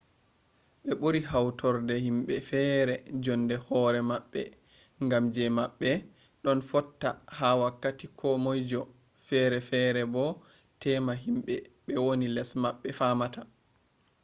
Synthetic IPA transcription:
ɓɛɓoɾiɦawtʰɔɾdɛhimɓɛfɛːɾɛd͡ʒɔndɛhɔːɾɛmaɓːɛ̰ | ŋɡamd͡ʒɛmaɓːɛ | ɗɔnfɔtːahawakːatikʰɔmɔjd͡ʒɔ | fɛɾɛfɛɾɛbɔ | tɛːmaɦimɓɛɓɛwonilɛsmaɓːɛfamata

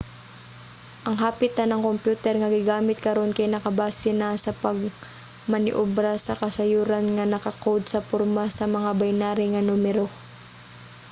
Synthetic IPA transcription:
ʔɐŋɦaːpɪt̪anɐŋkompjuːt̪ɛɾŋɐɡɪɡaːmɪt̪̚kɐɾo̞nkɐjnɐkɐbaːsɪnasɐpɐɡ̚ | mɐnɪʔʊbɾasɐkɐsɐjuːɾanŋɐnɐkɐkowd̪sɐpʊɾmasɐmɐŋabajnaːɾɪŋɐnumɛɾo

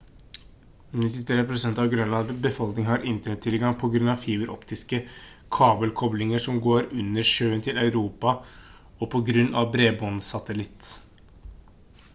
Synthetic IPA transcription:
nɪt̪ɪt̪ʰɾeːpɾʊsɛnt̪ɑʋɡɾœnlɑnbəfɔlknɪŋhɑɾɪnt̪ənɛt̪ʰːɪlɡɑŋpʰɔɡɾʉnɑʋfiːbəɾɔ̰pt̪ɪskə | kʰɑːbəlkʰɔblɪŋəʂɔmɡoːɾʉnːəʂøːənt̪ʰɪlɑʉɾuːpɑ | ɔpʰɔɡɾʉnːɑʋbɾeːbɔnsɑt̪əlɪt̪ː

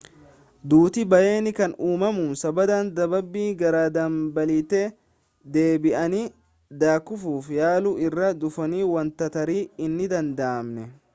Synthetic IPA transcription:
d̪uːt̪ɪbɐje̞ːnɪkɐnuːmɐmuːnsɐbɐd̪aːnd̪ɐbɐbːiːɡɐɾaːd̪ɐmbɐlit̪e | d̪e̞ːbɪʔɐni | d̪aːkʊfuːfjaːluɪrːɐd̪ʊfɐniːwɐnt̪ɐt̪ɐɾiːɪnːɪd̪ɐnd̪ɐʔːmnɛ

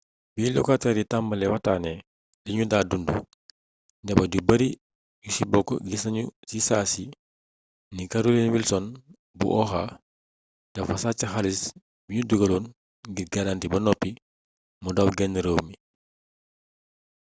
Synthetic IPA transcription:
bilɔ̰katɛɾitambɐlɛwataːnɛ | liɲudaːdundṵ | dɐbɐɟubɐɾi | jusibɔkːɔ̰ɡisɐɲusisasi | nikaɾulinwilsɔn | bṵʔɔxa | d̥ɐfɐsat͡ʃːɐxalis | biɲuduɡɐluːn | ɡiɾɡɐlantibɐnɔpːi | mɔdawɡɛnːəɾowmi

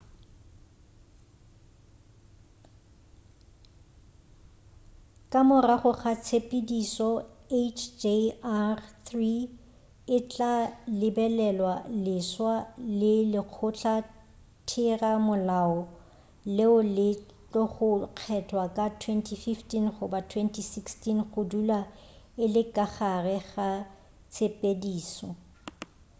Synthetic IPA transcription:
kʼamʊraχʊχat͡sʰepʼidisɔet͡ʃʰd͡ʒearθri | ɪt͡ɬʼalɪbɛlɛlwalɪswalɪlɪq͡χʰʊt͡ɬʰa | tʰɪramʊlaɔ | lɪʊlɪ | t͡ɬʼɔχʊq͡χʰɛtʰwakʼatʰwɛntʰififtinχʊbatʰwɛntʰisikstinχʊdulaɪlɪkʼaχarɛχa | t͡sʰepʼediːsɔ

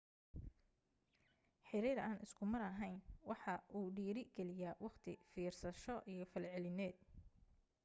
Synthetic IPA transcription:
ħɪɾiːɾaːnɪskʰʊmɐɾɐɦɛjnwɑħɑʔuːɖiːɾɪɡɛlɪjaːwɑqt̪ʰɪfiːrsɐʃɔʔijɞfɐlʕɛlɪnɛːd̪̚

